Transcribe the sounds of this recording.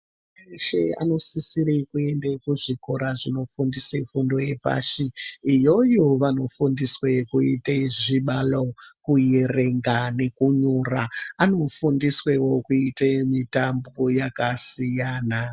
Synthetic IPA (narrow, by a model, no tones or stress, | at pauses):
eʃea̰no̞sisiɾekue̞ndekuʐiko̞ɾaʐino̞fundisefundo̞je̞pa̰ʃiːjo̞joʋano̞fundiswekuiteʐiɓalokujere̞ŋɡane̞kuɲuraano̞fundiswewo̞kuitemitambojakasijaːna